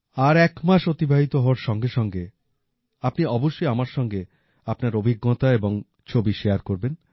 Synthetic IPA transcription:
aɾɛkmaʃot̪ibʱaɦit̪oɦɔoaɾʃɔŋɡeʃɔŋɡe | apniɔboʃːojamaɾʃɔŋɡe | apnaɾobʱiɡːɔt̪aeboŋ | t͡ɕʰobiʃeaɾkoɾben

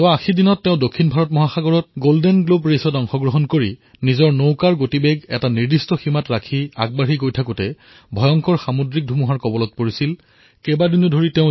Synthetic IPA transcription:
ɔaaxʰidinɔtːɛʊ̃dokʰːinbʱaɹɔt̚mɔɦaxaɡɔɹɔt̚ɡoldɛnɡlobɹesɔtɔŋxɔɡɹɔɦɔnkoɹi | nizɔɹnowkaɹɡotibeɡɛ̰taniɹdistɔximatɹakʰia̰ɡ̚baɹikojtʰakutɛ | bʱɔjɔŋkɔɹxamodɹik̚dʱumuɦaɹkɔbɔlɔt̚poɹisil | kɛbadunodʱoɹiteʊ̃

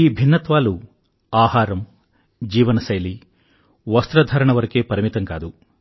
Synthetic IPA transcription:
iːbʱinːɐt̪ʋaːlu | aːhaːɾɐm | d͡ʒiːʋɐnɐsɐjli | ʋɐst̪ɾɐd̪ʱɐɾɐɳɐʋɐɾɐkeːpɐɾimit̪ɐŋka̰ːd̪u

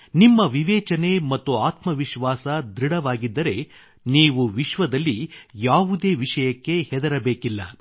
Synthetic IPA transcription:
nimːɐʋiʋɛːt͡ʃɐne̞mɐt̪ːuaːt̪mɐʋiʃʋaːsɐd̪ɾiɽɐʋaːɡid̪ːɐɾe̞ | niːʋuʋiʃʋɐd̪ɐlːijaːʋud̪e̞ːʋiʂɐjɐkːe̞hɛd̪ɐɾɐbeːkilːɐ̰

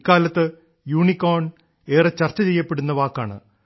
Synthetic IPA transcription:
kːaːlɐt̪ːɨ | juːɳikːoːɳ | e̞ːret͡ɕɐrt͡ɕːɐt͡ɕejːɐpːeɽunːɐʋaːkːaːɳɨ̰

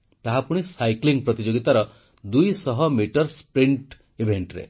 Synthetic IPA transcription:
t̪aɦapuɽ̃isajkliŋpɾɔt̪id͡ʒoɡit̪aɾɔ | d̪ujsɔɦɔmiʈɔɾspɾiɳʈ | ibʱeɳʈɾḛ

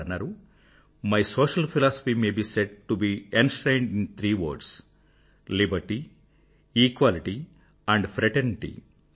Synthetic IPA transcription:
ɐnːaːɾu | majsoːʃɐlfʰilaːso̥fimeːbiːseɖ̚ʈubiːẽnsʈɾeːɳɖĩnt̪ʰɾiːʋo̰ːɾɖs | libɐɾʈi | iːkʋaːliʈi | ɛ̃ɳɖfɾɛʈeniʈḭ

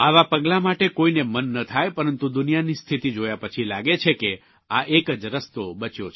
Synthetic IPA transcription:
aʋapəɡlamaʈekoinemənːət̪ʰajpəɾənt̪ud̪unijanist̪ʰit̪id͡ʒojapət͡ʃʰilaɡet͡ʃʰeke | aʔekəd͡ʒɾəst̪obət͡ʃjot͡ʃʰ

